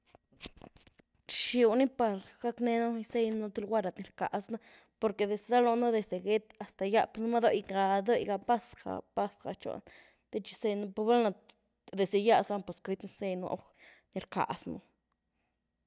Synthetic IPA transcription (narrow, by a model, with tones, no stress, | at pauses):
ʃu˧˨ni˦pa˧ɾɡ̥a˦kne˦nu˦˧se˦jno˦t̪e˧lɡʷa˦ɾa˨t̪ni˨ɾka̰˨sna˦ | po˧ɾke˨d̪e˨se˧sa˦lo˧na˦d̪e˧se˨ɡe˦t̪a˨st̪a˨ja˦pe˧sn˦ma˦d̪o˦jɡa˧d̪o˦jɡa˧pa˦ska̰˨pa˦sɡa̰˨t͡ʃo̰˨n | t̪e˦t͡ʃi̥˧se˧jna˧po˧ba˦lna˧ | d̪e˨ze˨ja˦sa˦npe˨sku˧˦t̪ni˧se˦jno̰˧ʔx | ni˧˨ɾka̰˨snṵ˧